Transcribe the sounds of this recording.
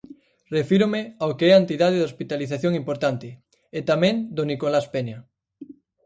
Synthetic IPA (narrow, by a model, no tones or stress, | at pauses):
refiɾomɪaokeɛaent̪iðaðɪðospit̪aliθaθjoŋimpoɾt̪ant̪ɪ | et̪amɛ̃ŋd̪onikolaspeɲa